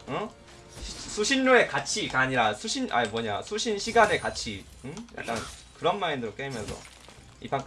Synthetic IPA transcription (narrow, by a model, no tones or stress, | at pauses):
ʌ | isʰuɕʰinːoe̞kat͡ɕʰikaɲiɾasʰuɕʰina̰mwʌɲa̰sʰuɕʰinɕʰiɡane̞kat͡ɕʰi | ɯja̰k̚k͈a̰nkɯɾʌnmaindɯɾok͈eimjʌnsʰʌ̰ | ḭpʰak